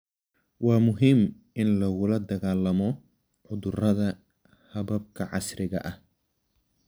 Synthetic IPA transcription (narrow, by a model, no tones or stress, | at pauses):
wɑːmʊɦɪm | ʔɪnlɐɣʊlɐd̪ɐɣaːlɐmɔ | ʕʊðʊrɐðɐ | hɐβɐb̚kʰɐʕɑ̰srɪɣɐ̰ʔɐh